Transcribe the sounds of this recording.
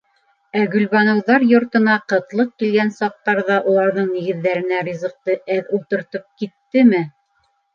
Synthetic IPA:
æɡɵ̆lβɑnɤ̆wðɑɾjŏɾt̪ɤ̆nɑqɤ̆t̪lˠɤq̚kilɡænsɑq̚t̪ɑɾðɑʔulˠɑɾðɤɴniɡɘ̆ðːæɾɘ̆nærʲizɤ̆q̚t̪ɤʔæðulˠt̪ɤ̆ɾt̪ɤp̚kit̪ːɘmɘ

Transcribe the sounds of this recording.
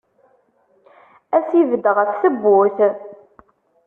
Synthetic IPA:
æsivəd̪əʁəfθəbːʊθ

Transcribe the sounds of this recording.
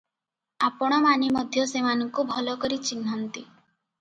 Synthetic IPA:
apɔɽ̃ɔmanimɔd̪ʱjɔsemanɔŋkubʱɔlɔkɔɾit͡ʃinɦɔnt̪i

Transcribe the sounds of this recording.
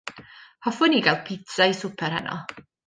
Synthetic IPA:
hɔfʊniːɡal̚ˠpʰɪtʰaisʊpʰɛɾhɛ̰nʔɔ̰

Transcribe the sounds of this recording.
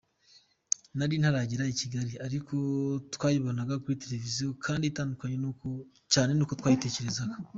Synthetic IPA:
naɾin̥haɾaɟiɾaiciɡaɾiaɾikʰo̞twaːjiβonaɡakuɾite̞ɾe̞vizijo̞kʰaːnditaːndukaɲe̞nuko | caːne̞nuːkotwaːjite̞ːce̞ɾe̞zaɡa

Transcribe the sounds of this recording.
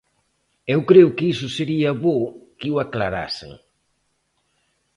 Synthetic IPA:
ewkɾeʊkɪisʊseɾiɐβokiwaklaɾa̰sḛŋ

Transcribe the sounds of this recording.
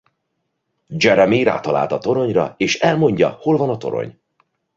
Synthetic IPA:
d͡ʒɛɾɛmiɾa̰ːt̪ɒla̰ːlt̪ɒt̪o̞ɾo̞ɲrɒ̰eːʃɛlmo̞ɲɟɒ̰ho̞lvɒnɒt̪oɾo̰ɲ

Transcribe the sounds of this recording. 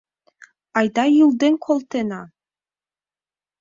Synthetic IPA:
ɑjd̪ɑjulˠd̪eŋkʰolˠt̪enɑ

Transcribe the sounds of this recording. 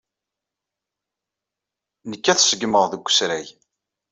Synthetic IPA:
nəkːæθsəɡməʁðəɡʷːə̥sɾæj

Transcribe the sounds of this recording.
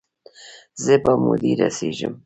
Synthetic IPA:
zepamud̪iɾa̰siʒəm

